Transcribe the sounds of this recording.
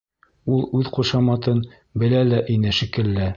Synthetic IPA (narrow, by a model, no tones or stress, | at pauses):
ulˠʉðquʃɑmɑt̪ɤn | bɘ̆lælæʔɘ̆nɘʃikɘ̆lːæ